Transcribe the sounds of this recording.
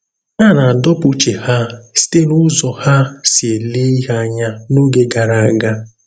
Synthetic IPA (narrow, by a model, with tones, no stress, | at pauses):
a˦˨na˨a˨dɔ˦pʊ˦t͡ʃe˨ha˦si̥˦te˦nʊ˦zɔ˨ha˦si˨e˨le˦i˦ɦa˦ɲa˦no˦ɡe˦ɡa˨ɾa˨a˨ɡa˦